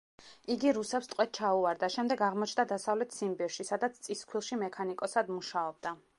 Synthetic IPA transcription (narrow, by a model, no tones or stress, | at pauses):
iɡiɾusɛpst̪ʼqʼwɛt̪̚t͡ʃʰauaɾd̪aʃɛmd̪ɛɡaʁmɔt͡ʃʰnd̪ad̪asavlɛt̪ʰsimbɛɾʃisad̪at̪sʰt̪sʼiskʰwilˠʃimɛkʰanikʼɔsad̪muʃaɔb̚d̪a